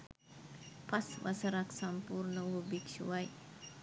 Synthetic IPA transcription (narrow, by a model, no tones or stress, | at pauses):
paswa̰səɾaksampurnəwubikʃṵwaj